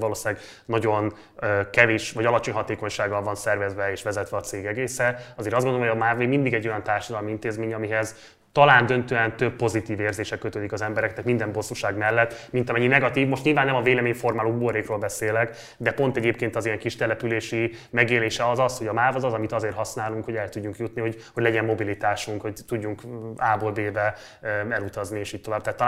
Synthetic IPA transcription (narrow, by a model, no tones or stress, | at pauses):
vɒloːsilaːɡ | nɒɟo̞n | kɛveːʃvɒɟɒlɒt͡ʃo̞ɲɦɒt̪eːko̞ɲʃaːɡːɒlvɒnsɛrvɛzvɛeːʃʋɛzɛt̪ʋɛɒt̪seːɡɛɡeːsɛɒzeːɾɒzɡond̪oomːhojɒmaːvemind̪iɡɛɟːo̞jɒnt̪aːrʃɒd̪ɒlmiint̪eːzmeːɲɒmiɦɛz | t̪ɒlaːnd̪ø̞nt̪øːɛnt̪ø̞bːo̞zit̪iːveːrzeːʃɛkøt̪øːd̪ikɒzɛmbɛɾɛkt̪ːɛk̪mind̪ɛmbo̞sːuʃaːɡmɛlːɛt̪ːmint̪ɒmɛɲːinɛɡɒt̪iːvmo̞ʃtɲilvaːnːɛmɒveːlɛmeːɲfo̞rmaːloːbuoɾeːkroːlbɛseːlɛk | d̪ɛpo̞nt̪ɛɟeːp̚keːnt̪ɒzijɛŋkiʃt̪ɛlɛpyleːʃimɛɡeːleːʃɛɒzɒsho̞ɟɒmaːvɒzɒzɒmit̪ɒzeːrɦɒsnaːluŋkho̞ɟɛlt̪uɟːuŋkjut̪niho̞ɟhoɟlɛɟɛmːo̞bilit̪aːʃuŋkho̞ct̪uɟːuŋkaːbolbeːbɛ | ɛlut̪ɒznieːʃiːct̪o̞vaːb̚t̪ɛːt̪ː